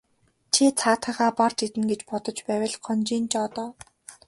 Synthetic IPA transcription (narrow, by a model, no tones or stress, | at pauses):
t͡ɕʰit͡sʰaːt̪χə̆χaːpart͡ɕit̪ɘ̆nɡet͡ɕpɔt̪ɞ̆t͡ɕpæːwʲə̆ɮχɔnt͡ɕiːnt͡ɕɔːt̪ɔː